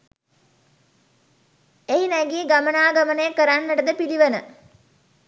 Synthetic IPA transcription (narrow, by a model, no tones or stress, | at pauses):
eɦinæɡiːɡamənaːɡamənəjəkəɾanːəʈəd̪əpiliʋənə